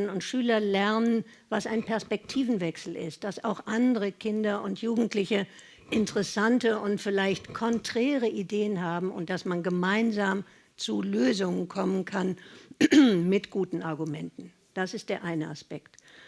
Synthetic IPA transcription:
nʊntʃyːlɐlɛɐnən | vasaɪnpʰɛɐspɛk̚tʰiːvn̩vɛksl̩ɪ̰st̚d̥asaʊxʔandəʁəkʰɪndɐʔʊntjuːɡŋ̩tlɪçə | ʔɪntəʁəsantəʔʊntfɪlaɪçtkʰɔntʁ̥ɛːʁəʔideːənɦaːbm̩ʊ̰nt̚d̥asmanɡəmaɪnzaːm | t͡suløːzʊŋənkʰɔmənkʰan | mɪtɡ̥uːtn̩ʔaɐɡumɛntn̩ | d̥asɪst̚d̥eːɐʔaɪnəa̰spɛkt

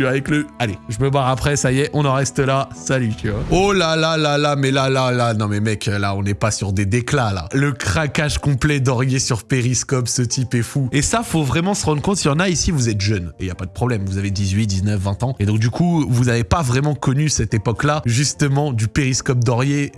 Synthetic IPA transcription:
t̪yavɛkləaleʒəməbwaʁapχɛsajɛʔɔ̃nɑ̃ʁɛst̪əlasalyt̪yaolalalalamɛlalalanɔ̃mɛmɛkʰlaɔ̃nɛpasyʁd̪ed̪eklala̰ləkχakaʒkɔ̃plɛd̪ɔʁjesyʁpeʁiskɔpsət̪ipɛfuesafovʁɛmɑ̃səʁɑ̃d̪ʁəkɔ̃t̪jɑ̃naisivuzɛt̪ʒœneiljapad̪əpχɔblɛmvuzaved̪izɥit̪̚d̪iznœfvɛ̃t̪ɑ̃ed̪ɔ̃k̚d̪ykuvuzavepavʁɛmɑ̃kɔnysɛt̪epɔklaʒyst̪əmɑ̃d̪ypeʁiskɔp̚d̪ɔʁje

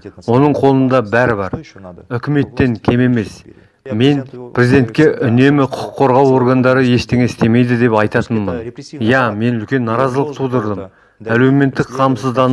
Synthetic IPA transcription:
wo̞nəɴqʰo̞lˠənd̪ɑbæɾɪbɑɾʏkʲɪme̞t̪ːe̞ŋkʲʰe̞me̞me̞s | me̞npʰɾezid̪e̞nt̪̚kʲe̞ʔʏne̞mɪqʰʊ̥qʰːo̞ɾʁɑwo̞ɾɡand̪ɑɾəje̞ʃt̪eŋʲest̪e̞me̞jd̪ɪd̪e̞pɑjt̪ɑt̪ənmənjɑme̞nʏlkʲe̞nːɑɾɑzəlˠəq̚t̪ʰud̪əɾd̪əm | æle̞me̞nt̪ːɪkqʰɑmsəzd̪ɑn

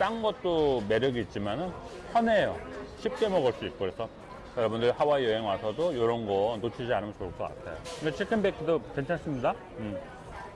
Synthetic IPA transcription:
t͈aŋɡʌt̚t͈ome̞ɾjʌɡiːt̚t͡ɕ͈imanɯnpʰjʌne̞jʌɕʰip̚k͈e̞mʌɡɯɭs͈uik͈okɾesʰʌ | jʌɾʌbundɯɭhawaejʌɦeŋwasʰʌdojoɾʌnɡʌnot͡ɕʰid͡ʑianɯmʌnt͡ɕoɯɭk͈ʌk͈a̰tʰajoɯɡet͡ɕʰiɭkʰɯnbekʰɯdokent͡ɕʰans͈ɯmɲida | ɯm

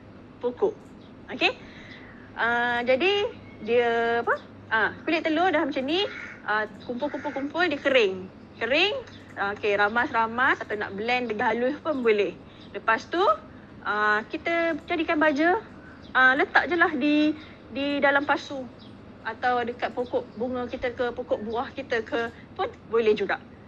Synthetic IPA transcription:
pukʊʔ | oke | ʔəd͡ʒadi | diəapə | ʔəkulɪʔt̪əlodalamət͡ʃaniəkumpʊlkumpʊlkumpʊldiəkəɾɪŋ | kəɾɪŋ | okeɾamasɾamat̪at̪awna̰ʔbəlɛndəɡaluhpʊnbolɛh | ləpast̪u | ʔəkit̪əd͡ʒaɾikanbad͡ʒə | ələt̪aʔd͡ʒəlaɦdi | didalampasu | ʔat̪awdəkat̪̚pokɔʔbuŋəkit̪əkəpokɔʔbuahkit̪əkʰə | pʊnbolɛhd͡ʒuɡaʔ

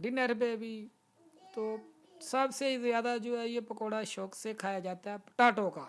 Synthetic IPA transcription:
ɖɪnəɾbeːbiː | t̪oː | səbseːizɪjaːd̪aːd͡ʒoːɛːjeːpəkoːɽaːʃɔːkseːkʰaːjaːd͡ʒaːt̪aɦɛːpʈaːʈoːkaː

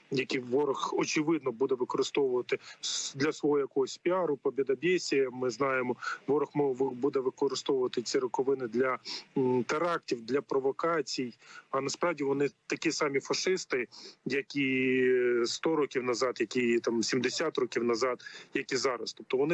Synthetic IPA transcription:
jɐkʲiʋɔɾɔxɔt͡ʃɪʋɪd̪nɔbud̪ɛʋɪkɔɾɪst̪ɔʋʊʋɐt̪ɪd̪lʲɐsʋɔɦɔjɐkɔɦɔsʲpʲiɑɾʊpɔbʲid̪ɐbʲesʲijɐmɪznɑjemɔʋɔɾɔxmʋbud̪ɛʋɪkɔɾɪst̪ɔʋʊʋɐt̪ɪt͡sʲiɾɔkɔʋɪnɪd̪lʲɐ | t̪eɾɑk̚tʲiwd̪lʲɐpɾɔʋɔkɑt͡sʲijɐnɐspɾɑwdʲiʋɔnɪt̪ɐkʲisɑmʲifɐʃɪst̪ɪjɐkʲi | st̪ɔɾɔkʲiwnɐzɑd̪jɐkʲit̪ɑmsʲimd̪esʲat̪rɔkʲiwnɐzɑd̪jɐkʲizɑɾɐst̪ɔp̚t̪ɔʋɔnɪ

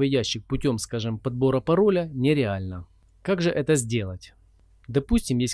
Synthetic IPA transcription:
vʲɐdʲæɕːɪxpʊtʲo̞mskaʐɨmpɐd̪bo̞ɾəpɐɾo̞lʲənʲɪɾʲɪalʲnə | kaɡʐɨʔɛt̪əzʲdʲe̞lˠətʲ | d̪ɐpusʲtʲɪmjes̚ʲ

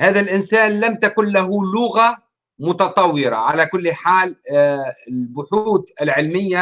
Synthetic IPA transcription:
haːðalʔɪnsaːnlamt̪akʊnlaɦʊlʊɣa | mʊt̪ɑt̪ˤɑwːɪɾa̰ʕalakʊlːħaːl | ɪlbʊħuːt̪ɪlʕɪlmɪjːa

